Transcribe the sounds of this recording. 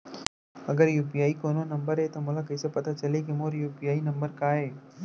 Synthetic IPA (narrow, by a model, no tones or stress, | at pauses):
ɐɡəɾjuːpijaːikoːnonɐ̃mbəɾɦet̪omoːlakɐisepɐt̪at͡ʃɐlekemoːɾjuːpiaːinɐ̃mbəɾkaːɦeː